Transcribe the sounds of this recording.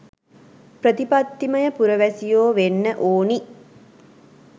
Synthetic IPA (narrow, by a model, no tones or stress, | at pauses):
pɾət̪ipat̪ːiməjəpuɾəʋæsijoːʋenːəʔoːni